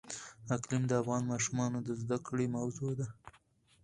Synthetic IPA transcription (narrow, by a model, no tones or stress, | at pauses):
aklɪmd̪əafɣɑnmɑʃumɑnod̪əzd̪akɽemawzod̪a